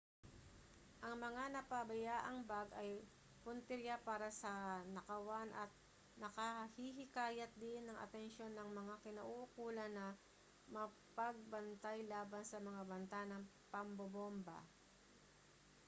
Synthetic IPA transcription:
ʔɐŋmɐŋanɐpɐbɐjaːʔɐŋbaɡʔɐj | pʊnt̪ɪɾjapaːɾɐsɐnɐkɐwanʔɐt̪̚ | nɐkɐhiɦɪkaːjɐt̪̚d̪ɪnːɐŋʔɐ̰t̪ɛnʃo̞nːɐŋmɐŋakɪnɐʔuʔʊkuːlɐnːɐ | mɐ | pɐɡ̚bɐnt̪ajlaːbɐnsɐmɐŋabɐnt̪anɐŋ | pɐmbobombɐ̰

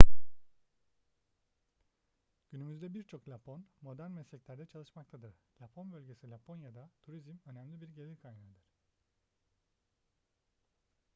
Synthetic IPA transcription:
ɟ̥ynymyzd̪ɛbiɾt͡ʃʰo̞klʲapʰo̞nmo̞d̪æɾnmɛslʲɛclʲæɾd̪ɛt͡ʃʰalˠɯʃmak̚t̪ʰad̪ɯɾ̥lʲapʰo̞nbølʲɟe̞silʲapʰo̞njad̪at̪ʰuɾizmø̞næmlʲibiɾɟelʲiɾkʰajnaɾd̪ɯɾ̥

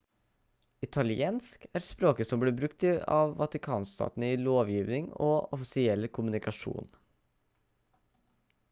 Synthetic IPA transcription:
ɪt̪ʰɑlɪeːnskæːɾspɾoːkəsɔmbliːbɾʉk̚t̪ɪɑ̰ːʋʋɑt̪ɪkʰɑ̰ːnst̪ɑ̰ːt̪n̩əiːloːʋjiːʋnɪŋoːɔfɪsɪɛlkʰʊmʉnɪkɑʂṵːn

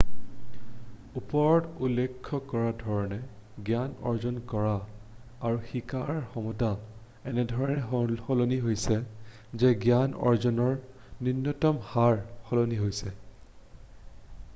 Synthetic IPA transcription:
upɔɹɔtulːɛkʰːɔkɔɹadʱɔɹɔnɛ | ɡjanɔ̰ɹzɔnkɔɹaː | ɹuxikaɹxɔmɔta | ɛnɛdʱɔɹɔnɛɦhɔloniɦojsɛ | zɛɡjanɔ̰ɹzɔnɔɹ | ninːɔtɔmhaɹxɔloniɦojsɛ

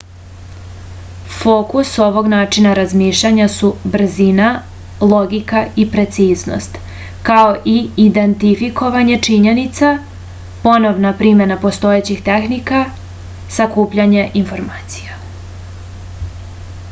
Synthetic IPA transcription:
foːkuso̞ʋo̞ɡnaːt͡ʃinaɾazmiːʃʎaɲasubr̩zina | lˠo̞ɡikaipɾe̞t̪siːzno̰st̪ | kao̞ʔiid̪e̞nt̪ifiko̞ʋaɲe̞t͡ʂiɲe̞nit̪sa | po̞no̞ʋnapɾimenapo̞st̪o̞et͡ɕixt̪e̞xnika | sakuːpʎaɲeʔinfo̞ɾmaːt̪si̥ja

